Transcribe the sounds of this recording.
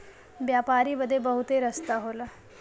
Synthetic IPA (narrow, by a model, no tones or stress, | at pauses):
bjapaɾiːbəd̪ʱːebəɦut̪eɾəst̪aɦolə